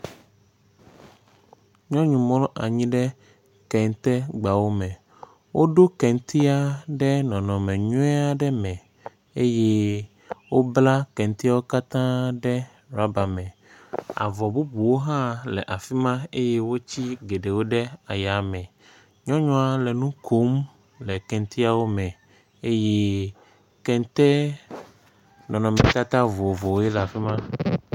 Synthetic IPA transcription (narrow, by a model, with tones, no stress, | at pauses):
ɲɔ̃˦ɲũ˨mɔ̃˦lʔa˨ɲĩ˦ɖɛ˦ | kɛ˨ŋ˨t̪ɛ˦ɡ͡ba˨wo˦mɛ̃˨ | wo˦ɖo˦kɛ˨ŋ˦t̪i˦a˦ɖɛ˦nɔ̃˨nɔ̃˨mɛ̃˨ɲũ˦ɛ˦a˦ɖɛ˦mɛ̃˨ | e˦jɛ˦ | wo˦bla˦kɛ˨nt̪i˦a˦wo˦ka˦t̪ã˦ɖɛ˦ | ɾa˦ba˨mɛ̃˨ | a̰˨vɔ˨bu˦bu˨wo˦ɦã˦lɛ̰˨ʔa˨fi˦mã˦e˦je˦wo˦t͡ɕi˦ɡe˨ɖe˨wo˦ɖɛ˦a˨ja˨mɛ̃˨ | ɲɔ̃˦ɲɔ̃˦a˨lɛ˨nũ˦kʰo˦m | lɛ˨kɛ̃˨n˦t̪i˦a˦wo˦mɛ̃˨ | e˦je˦ | kɛ˦n˦t̪ɛ˦ | nɔ̃˨nɔ̃˨mɛ̃˨t̪a˦t̪a˦vo˨vo˨wje˦la˨fi˦mã˦